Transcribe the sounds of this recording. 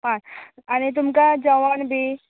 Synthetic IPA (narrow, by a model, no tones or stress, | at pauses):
ɦãañit̪̬umkad͡ʑəʋanbʱiː